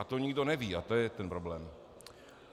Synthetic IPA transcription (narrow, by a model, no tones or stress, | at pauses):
at̪oɲɪɡdo̞nɛviːat̪ojɛt̪ɛnpɾoblɛːm